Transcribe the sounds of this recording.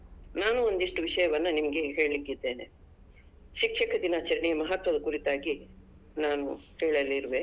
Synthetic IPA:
naːnuond̪iʂʈuʋiʂɐjɐʋɐnːɐnimɐɡe̞ɦeːɭlikːid̪ːe̞ːnḛ | ʃikʂɐkʰɐd̪inaːt͡ʃɐɾɐɳijɐmɐɦɐt̪ʋɐd̪ɐkuɾit̪aːɡi | naːnuheːɭɐlːiɾʋe

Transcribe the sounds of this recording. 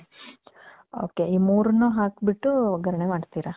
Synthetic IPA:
o̰ːkeiːmuːɾunːuːɦaːkbiʈːuɡʱɐɾɐɳemaːɖt̪iːɾa

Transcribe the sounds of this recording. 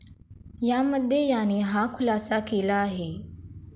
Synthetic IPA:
jaməd̪ʱjejaniːɦakʰulasakelaːɦe

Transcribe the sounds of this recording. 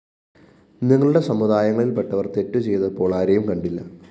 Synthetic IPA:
niŋːɐɭuɽe̞sɐmːud̪aːjɐŋːɐɭilpeʈːɐʋɐrt̪etːut͡ɕe̞jt̪ɐpːo̞ːɭaːɾɐjumkɐɳɖilːɐ̰

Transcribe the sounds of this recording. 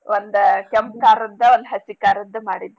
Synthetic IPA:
ʔond̪ukemp̚kaːɾud̪ːɐond̪ɦɐsikaːɾud̪ːɐmaːɽid̪ːu

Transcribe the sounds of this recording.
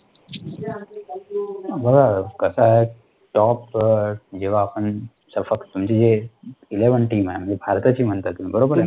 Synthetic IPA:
bəɡʱakəsaɦe | ʈɔːp | d͡ʒeʋaːpən | səbfək̪t̪umt͡ɕed͡ʒeileʋənʈiːmɦɛm̤ə̃nd͡ʒebʱaɾt̪ət͡ɕimənt̪at̪umibəɾobəɾ

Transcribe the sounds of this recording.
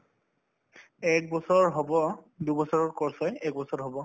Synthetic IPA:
ɛk̚bɔsɔɹɦɔbɔ | dubɔsɔɹɔɹkɔɹsɔjɛk̚bɔsɔɹɦɔbɔ

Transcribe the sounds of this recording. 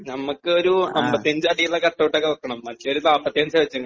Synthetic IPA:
nɐmːukːɨoɾuɐmbɐt̪ːiɐɲd͡ʑɨɐɽijiɭːɐkɐʈːɐʋiʈːɐkːɐɐkːɐɳɐmːɐtːoɾut̪aːpːɐt̪ːijɐɲd͡ʑɐʋit͡ɕːuŋːɐ

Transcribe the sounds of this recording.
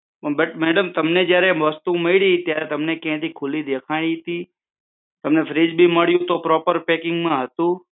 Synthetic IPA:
bəʈmɛːɖəmt̪ɐmned͡ʒjaːɾeʋəst̪ũmeɪɽit̪jaːɾet̪ɐmnekẽɦt̪ikʰʊlid̪eːkʰaːit̪iː | t̪ɐmnefʰɾiːd͡ʒbʱiməɽjũt̪opɾɔːpəɾpeːkɪ̃ŋɡmãɦət̪ũː

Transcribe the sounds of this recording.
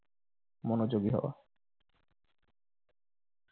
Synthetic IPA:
monod͡ʑoɡiɦɔ̰wa̰

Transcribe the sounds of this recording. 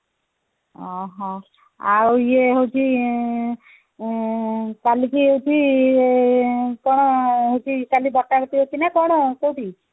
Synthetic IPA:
ɔɦɔ̃ | auieɦot͡ʃʰi | k̪alikiɦowt͡ʃi | kɔɽ̃ɔɦot͡ʃʰiːtalibɔʈːaɾɔt̪iɦot͡ʃinakɔɽ̃ɔkoʈi

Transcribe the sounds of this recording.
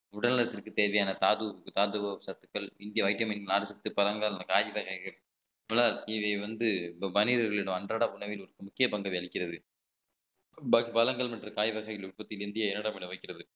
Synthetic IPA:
ʊɽɐlnɐɾɐt̪ːɪrkɯt̪eːɾʋɐjaːnɐt̪aːðɯkːɯt̪aːðɯʋɐsɐt̪ːɯkːɐɭɪnd̪ɪjɐʋɐɪʈːɐmɪnɡnaːɽɯsɐt̪ːɯpɐlɐŋɡalkaːd͡ʒiʋɐɣɐɪɣɐɭ | mɐlaːlɪʋɐɪʋɐnd̪ɯmɐnɪðɐɾɣɐɭɪɽɐmɐndraːɽaʊɳɐʋɪlɔɾɯkːɯmʊkːɪjɐpɐŋɡɐʋiɐɭɪkːɪrɐðɯ | ɐpɐlɐŋɡɐɭmɐʈrɯkaːjɪʋɐɣɐɪɣɐɭʋɪʈpɐt̪ːɪlɪnd̪ɪjɐɪɛnːɐɽɐmɪɽɐʋɐɪkːɪrɐðɯ

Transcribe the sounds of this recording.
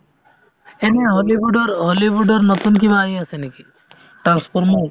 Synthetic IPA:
eneɦɔlibuɖɔɾɦɔlibuɖɔɾnɔt̪unk̬ibaːjaseneki | ʈɾanspʰɔɾmɔj

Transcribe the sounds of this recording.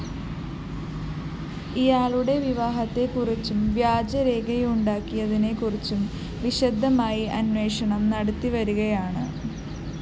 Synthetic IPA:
ijaːɭuɽe̞ʋiʋaːɦɐt̪ːe̞kurit͡ɕːumʋjaːd͡ʑɐɾe̞ːɡɐjuɳɖaːkːijɐðine̞kurit͡ɕːum | ʋiɕɐd̪ʱːɐmaːjiʔɐnwe̞ːʂɐɳɐmnɐɽɐt̪ːiʋɐɾuɣɐjaːɳɨ

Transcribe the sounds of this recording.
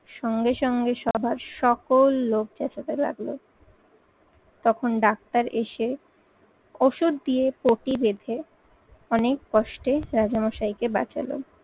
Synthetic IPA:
ʃɔŋɡeʃɔŋɡeʃɔbʱaɾʃɔkolːok̚d͡ʑat͡ɕat̪ela̰ɡlo̰ | t̪ɔkʰonɖak̚t̪aɾʔeʃe | oʃuɾd̪iepoʈibed̪ʱe | ɔnek̚kɔʃʈeɾad͡ʑamɔʃajkeba̰t͡ɕa̰lo̰

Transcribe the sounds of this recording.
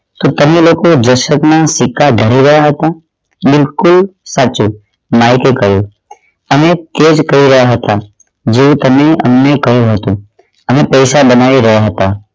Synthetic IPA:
t̪ot̪əmẽloːkod͡ʒəʃət̪nasɪkʰːaɖʱəɾiɾɐɦjaɦət̪a | bɪlkʊlsaːt͡ʃu | maːɦɪkekəjuː | əmẽt̪eːd͡ʒkəiɾəjaɦət̪a | d͡ʒeũt̪əmẽə̰mnekəɦjoɦət̪ũ | əmẽpəːsabənaːiɾɐɦjaɦət̪a

